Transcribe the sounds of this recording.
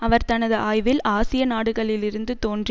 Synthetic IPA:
ɐʋɐɾt̪ɐnɐðɯʔaːjʋɪlaːsɪjɐnaːɽɯɣɐɭɪlɪɾɯnd̪ɯt̪oːndr

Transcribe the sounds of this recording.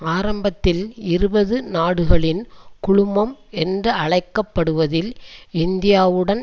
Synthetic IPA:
aːɾɐmbɐt̪ːɪlɪɾɯbɐðɯnaːɽɯɣɐɭɪnkʊɻʊmɐmɛndrɐɐɭɐɪkːɐpːɐɽɯʋɐðɪlɪnd̪ɪjaːʋɯɽɐn

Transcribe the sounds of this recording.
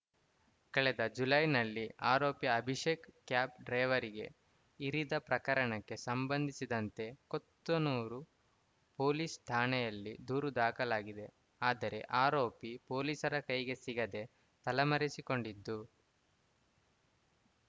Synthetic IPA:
kɐɭɛd̪ɐd͡ʒulɐjnɐlːiaːɾo̞ːpjɐːbʱiʃekkjaːp̚ɖɾɐjʋɐɾiɡe̞̰ | iɾid̪ɐpɾɐkɐɾɐɳɐkːe̞sɐmbɐnd̪ʱisid̪ɐnt̪e̞kot̪ːonuːɾu | po̞ːliːst̪ʰaːnɛjɐlːid̪uːɾud̪aːkɐlaːɡid̪e̞ | aːd̪ɐɾe̞̰ʔaːɾoːpipo̞ːliːsɐɾɐkɐjɡe̞siɡɐd̪e̞ | t̪ɐlɐmɐɾisiko̞ɳɖid̪ːu

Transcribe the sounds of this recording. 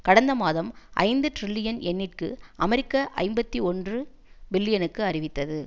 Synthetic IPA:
kɐɽɐnd̪ɐmaːðɐmʔɐ̰ɪnd̪ɯʈɾɪlːɪjɐnɛnːɪʈ̚kɯʔɐmɛɾɪkːɐʔɐ̰ɪmbɐt̪ːiɔndrɯ | bɪlːɪjɐnɯkːɯɐrɪʋɪt̪ːɐðɯ

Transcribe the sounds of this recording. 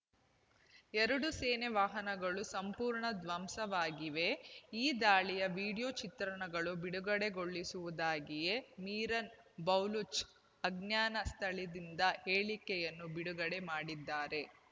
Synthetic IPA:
ɛɾɐɽuseːneʋaːɦɐnɐɡɐɭusɐmpuːɾɳɐd̪ʋɐmsɐʋaːɡiʋe̞iːd̪aːɭijɐʋiːɽijot͡ʃit̪ɾɐɳɐɡɐɭubiɽuɡɐɽe̞ɡo̞ɭːisuʋud̪aːɡije̞miːɾɐn | bɐwlut͡ʃ | ɐɡnjaːnɐst̪ʰɐɭid̪ind̪ɐheːɭikɛjɐnːubiɽuɡɐɽe̞maːɽid̪ːaːɾe̞

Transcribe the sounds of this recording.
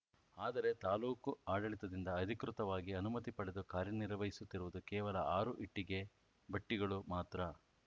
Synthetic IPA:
aːd̪ɐɾe̞t̪aːluːkuaːɖɐɭit̪ɐd̪ind̪ɐːd̪ʱikɾut̪ɐʋaːɡiɐnumɐt̪ipɐɽe̞d̪ukaːɾjɐniɾɐʋɐɦisut̪ːiɾuʋud̪ukɛːʋɐlɐaːɾuʔiʈːiɡe̞ | bɐʈːiɡɐɭumaːt̪ɾɐ

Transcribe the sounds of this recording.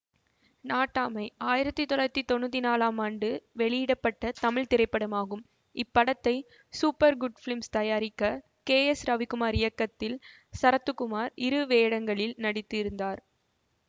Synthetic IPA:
naːʈːaːmɐɪaːjɪɾɐt̪ːɯt̪ɔlaːɐt̪ːit̪ɔnːut̪̬ːinaːlaːmaːɳɖɯʋɛɭɪjɪɽɐpːɐʈːɐt̪ɐmɪɻt̪ɪɾɐɪpːɐɽɐmaːɣɯm | ɪpːɐɽɐt̪ːɐɪ | suːpːɐɾɡʊɖfɪɭɪmst̪ɐjaːɾɪkːɐ | keːɛsɾɐʋɪkːɯmaːɾɪjɐkːɐt̪ːɪl | sɐɾɐt̪ːɯkːɯmaːɾɪɾɯʋeːɽɐŋɡɐɭɪlnɐɽɪt̪ːɪɾɯnd̪aːɾ

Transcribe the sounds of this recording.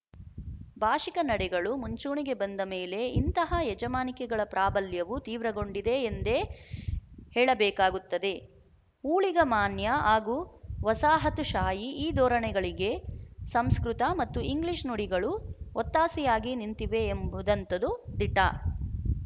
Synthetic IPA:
bʱaːʂikɐnɐɽɛɡɐɭumuɲt͡ʃuːɳiɡe̞bɐnd̪ɐmeːle̞int̪ɐɦɐjɛd͡ʒɐmaːnikɛɡɐɭɐpɾaːbɐljɐʋut̪iːʋɾɐɡo̞ɳɖid̪e̞ːnd̪e̞ | hɛːɭɐbɛːkaːɡut̪ːɐd̪e̞ | uːɭiɡɐmaːnjɐaːɡuːʋɐsaːɦɐt̪uʃaːjiiːd̪ɔːɾɐɳɛɡɐɭiɡe̞sɐmskɾut̪ɐmɐt̪ːuiŋɡliʂnuɽiɡɐɭuɔt̪ːaːsijaːɡinint̪iʋe̞ːmbud̪ɐnt̪ɐd̪ud̪iʈːa̰ː

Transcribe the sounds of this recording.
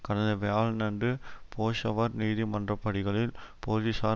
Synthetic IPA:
kɐɽɐnd̪ɐʋejaːɭnɐɳɖɯpʰoːʂɐʋɐɾniːðimɐndrɐpːɐɽɪɣɐɭɪlpoːd͡ʒisaː

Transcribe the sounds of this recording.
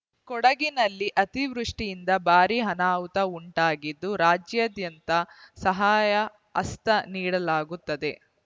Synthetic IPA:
kɔɽɐɡinɐlːiʔɐt̪iʋɾuʂʈijind̪ɐbaːɾiɦɐnaːwt̪ɐuɳʈaːɡid̪ːuɾaːd͡ʒjad̪jɐnt̪ɐsɐɦaːjɐ | ɐst̪ɐniːɽɐlaːɡut̪ːɐd̪e̞

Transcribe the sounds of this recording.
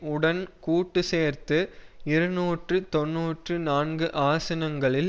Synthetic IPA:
ʊɽɐnkuːʈːɯseːɾt̪ɯɪɾɯnuːʈrɯt̪ɔnːuːʈrɯnaːnɡɯʔaːsɐnɐŋɡɐɭɪl

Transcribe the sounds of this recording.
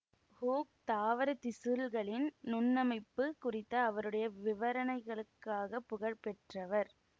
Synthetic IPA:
huːk̚t̪aːʋɐɾɐt̪ɪsɯlɣɐɭɪnnʊnːɐmɐɪpːɯkʊrɪt̪ːɐːʋɐɾɯɽɐjɐʋɪʋɐɾɐnɐɪɣɐɭɯkːaːɣɐpːʊɣɐɻpɛʈrɐʋɐɾ

